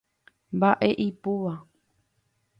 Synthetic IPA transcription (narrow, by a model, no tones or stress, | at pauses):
mbaʔe̞ʔipuʋa